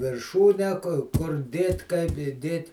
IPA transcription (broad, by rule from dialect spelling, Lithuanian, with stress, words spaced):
ʋʲɪrˈʃuːnʲæː kʊr ˈdʲeːtʲ kɐɪp ɪˈdʲeːtʲ